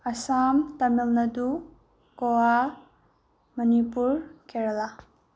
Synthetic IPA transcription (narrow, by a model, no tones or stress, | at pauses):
ɐsamtɐmilnɐdu | kowa | mɐnipuɾkeɾala